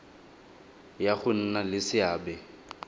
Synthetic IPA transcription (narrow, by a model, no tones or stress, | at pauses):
jaχʊn̩nalɪsɪaːbɛ